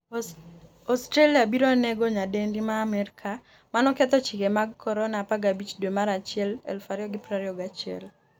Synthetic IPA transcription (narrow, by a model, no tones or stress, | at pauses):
ɔstɾeliabiɾɔnɛɡɔɲadendimaːmɛɾikʰa | manɔkɛt̪ɔt͡ʃɪkemaɡkʰːɔɾɔnapaɡabit͡ʃdwemaɾat͡ʃɪɛlɛ̰lfaɾiɔɡɪpɾaɾiɔɡat͡ʃɪɛ̰l